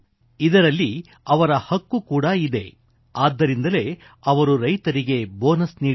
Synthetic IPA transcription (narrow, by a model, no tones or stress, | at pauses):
id̪ɐɾɐlːi | ɐʋɐɾɐhɐkːukuːɽɐid̪e̞̰ | aːd̪ːɐɾind̪ɐle̞ | ɐʋɐɾuɾɐjt̪ɐɾiɡe̞boːnɐsniː